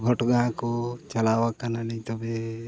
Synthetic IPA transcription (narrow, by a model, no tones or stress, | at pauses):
ɡʱɔʈɡãkot͡ʃalawakananɛ̃j̃t̪ɔbe